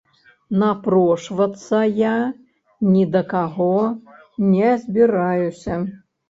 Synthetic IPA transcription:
napɾɔʂvɐt̪sːɐja | nʲid̪ɐkaɣɔ | nʲɛzʲbʲiɾajusʲɐ

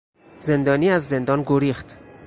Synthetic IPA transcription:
ze̞nd̪ɒːniːæzːe̞nd̪ɒːnɡoɾiːxt̪

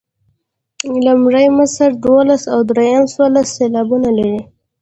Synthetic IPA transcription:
lamʐəjmasaɾd̪wolasawd̪ɾejamswolasːelɑbunalaɾi

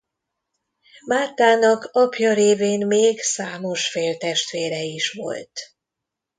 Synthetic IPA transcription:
maːt̪aːnɒkɒpjɒɾeːveːnmeːɡsaːmo̞ʃfeːlt̪ɛʃt̪ʋeːɾɛiʃʋo̞̰lt̪

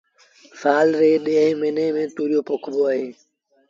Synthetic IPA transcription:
saːlɾeːɗeːɦmeneːmẽːt̪uːɾɪjoːpʊkʰboːaːɦeː

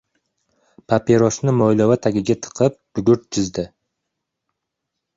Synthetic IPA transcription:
pʰapeɾosnɪmojlˠawat̪ʰaɡʲɪɡʲat̪ʰɨ̥qʰɨp̚b̥ʊɡʲʊɾt̪̚d͡ʒʰɪzd̪ɪ

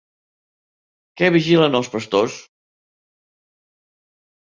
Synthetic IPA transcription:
kɛβiʒilənəlˠspəst̪os

